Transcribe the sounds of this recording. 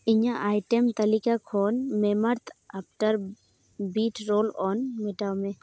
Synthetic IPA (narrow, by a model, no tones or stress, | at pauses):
ɪɲãʔaːjʈemt̪ɐlikakʰoːnmeməɾt̪ʰap̚ʈəɾ | biːʈʰɾoːlɔːnmeʈawmẽ